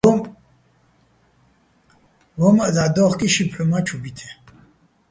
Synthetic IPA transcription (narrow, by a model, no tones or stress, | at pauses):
vɔmazad̪ɔχkʼiʃipʰħumat͡ʃʰubit̪ʰɛ